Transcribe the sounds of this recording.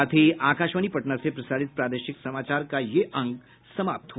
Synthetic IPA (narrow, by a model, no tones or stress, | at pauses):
aːt̪ʰiaːkaːʃʋaːnipɐʈnasepɾɐsaːɾɪt̪̚pɾaːd̪əʃɪksɐmaːt͡ʃaːɾkajeʔɐ̃ŋɡ | sɐmaːp̚t̪ɦu